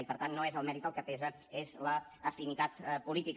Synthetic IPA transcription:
ipəɾt̪anːoezəlˠmɛɾit̪əlˠkəpɛzə | ezləː | finit̪at̪pulit̪ik

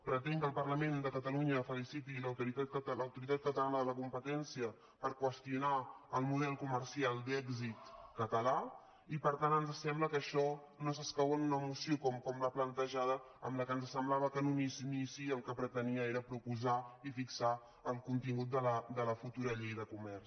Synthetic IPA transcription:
pɾət̪ɛŋkəːlˠpərləmend̪əkət̪əluɲəfəlisit̪iləwt̪uɾit̪at̪ləwt̪uɾit̪at̪̚kət̪əlanəðələkumpət̪ɛnsiə | pəɾkwəst̪iunaəlˠmuð̞ɛlˠkumərsialˠd̪ɛɡzit̪kət̪əla | ipəɾt̪anənzəsɛmbləkəʃɔ | nos̬əskawənunəmusiokɔmkɔmləplənt̪əʒað̞ə | ə̰mləkənzəsəmblaβəkənunisnisiəlˠkəpɾət̪əniəeɾəpɾupuzaifiksa | əlˠkunt̪iŋɡut̪̚d̪ələd̪ələfut̪uɾəʎejðəkumɛrs

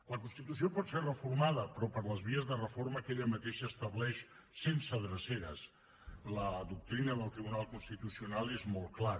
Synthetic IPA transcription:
ləkunst̪it̪usiopɔt̪serrəfuɾmaðəpɾɔpəɾləzβiəzðərəfoɾməkeʎəmət̪eʃəst̪əβlɛʃsensəðɾəseɾəs | ləðuk̚t̪ɾinəðəlˠt̪ɾiβunalˠkunst̪it̪usiunalˠezmolˠklaɾ

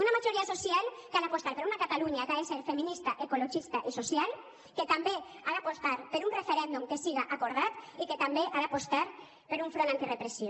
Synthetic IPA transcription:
unamaʒoɾiasosjalkalapost̪aɾpeɾunakat̪aluɲakaeseɾfeminist̪aʔekoloʒist̪aʔisosjal | ket̪ambe | aɾapost̪aɾpeɾunrefeɾɛnd̪umkesiɣaʔakoɾð̞at̪iket̪ambeʔaɾapost̪aɾ | peɾuɱfɾonãnt̪irepɾesi

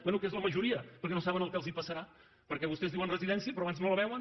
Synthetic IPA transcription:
bwɛnukezləməʒuɾiəpəɾkɛnosaβənəlˠkɛlˠzipəsəɾa | pəɾkɛβust̪ɛzðiwənrəziðɛnsiəpɾɔaβanznoləβ̞ɛwən

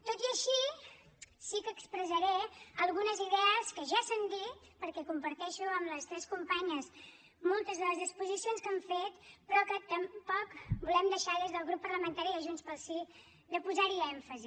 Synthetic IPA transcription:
t̪ot̪iəʃi | sikəkspɾəzəɾɛəlˠɣunəziðɛəskəʒasand̪it̪pəɾkɛkumpəɾt̪ɛʃuəmləst̪ɾɛskumpaɲəs | molˠt̪əzðələzðispuzisionskəɱfet̪pɾɔkət̪əmpɔkbulɛmd̪əʃaðezðəlˠɣɾupːəɾləmənt̪aɾiðəʒunspəlˠsi | d̪əpuzaɾiɛɱfəzi

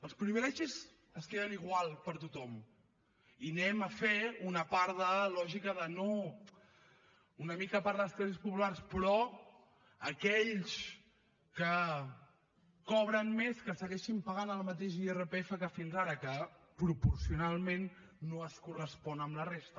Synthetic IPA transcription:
əlˠspɾimeɾɛʃiz | əskeðəniɣwalˠpəɾt̪ut̪ɔm | inɛməfeunəpaɾðəlɔʒikəðəno | unəmikəpaɾðəskɾɛzispupularspɾɔ | əkɛʎs | kə | kɔβɾənmeskəsəɣɛʃimpəɣanəlˠmət̪̬eʃierəpeefəkəfinzaɾəkə | pɾupuɾsiunalˠmenː | oəskurəspɔnəmlərest̪ə

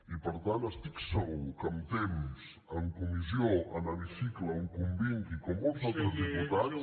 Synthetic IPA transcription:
ipəɾt̪ant̪əst̪iksəɣukəmt̪ems | əŋkumizioənəβisikləuŋkumbiŋkikɔmːolzalˠt̪ɾəzðiput̪as

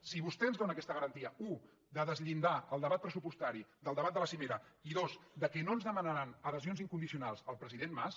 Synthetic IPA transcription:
siβust̪ɛənzðonəkɛst̪əɣəɾənt̪iəu | d̪əðəzʎind̪aəlˠd̪əβat̪̚pɾəsupust̪aɾid̪əlˠəβat̪̚d̪ələsimeɾəiðosd̪əkɛnoənzðəmənəɾanəðəzionziŋkund̪isiunalˠzəlˠpɾəziðenmas

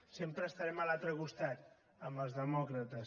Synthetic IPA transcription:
sempɾəːst̪aɾɛməlalt̪ɾəɣust̪at̪ | əməlˠzðəmɔkɾət̪əs

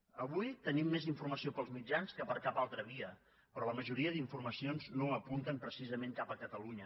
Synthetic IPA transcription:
əβujt̪ənimːeziɱfurməsiopəlˠzmid͡ʒanskəpəɾkapalˠt̪ɾəβiə | pɾɔləməʒuɾiəðiɱfurməsionznoəpunt̪əmpɾəsizəmeŋkapəkət̪əluɲə

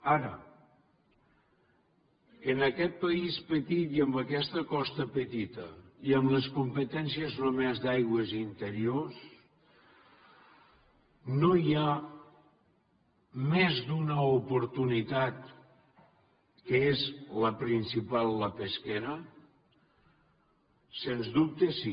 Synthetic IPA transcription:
aɾə̰ | ənəkɛt̪̚pəispət̪it̪iəmbəkɛst̪əkɔst̪əpət̪it̪əiəmləskumpət̪ɛns̬iəzromɛzd̪ajɣwəzint̪əɾios | noja | mezd̪unəupuɾt̪unit̪at̪ | kəezləpɾinsipalˠːəpeskɛɾə | senzd̪up̚t̪esi

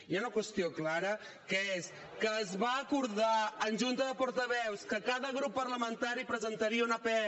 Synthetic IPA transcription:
iaunəkwəst̪ioklaɾə | kəes | kəːzβaːkuɾðaənʲʒunt̪əðəpɔɾt̪əβɛwskəkaðəɣ̞ɾupːəɾləmənt̪aɾipɾəzənt̪əɾiəunəpɛ

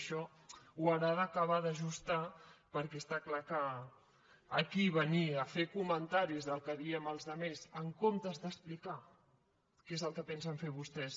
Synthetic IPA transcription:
ʃɔ | uaɾaðəkəβ̞aðəʒust̪apəɾkɛst̪aklakəː | kiβəniəfekumənt̪aɾizðəlˠkəðiəməlˠzðəmezəŋkomt̪əzðəsplika | kezəlˠkəpɛnsəɱfeβust̪ɛs

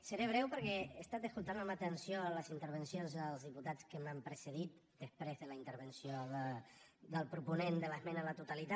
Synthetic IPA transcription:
səɾeβ̞ɾɛwpəɾkɛəst̪at̪əskulˠt̪anamat̪ənsjoləzint̪əɾβənsjonzəlˠzðiput̪at͡skəmampɾəsəð̞it̪̚ | d̪̥əspɾezðələint̪əɾβənsjoðəðəlˠpɾupunend̪ələzmɛnələt̪ut̪alit̪a

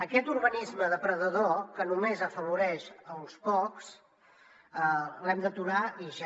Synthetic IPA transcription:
əkɛt̪uɾβənizməðəpɾəðəðokənumezəfəβ̞uɾɛʃəlˠspɔks | əlɛmd̪ət̪uɾaiʒa

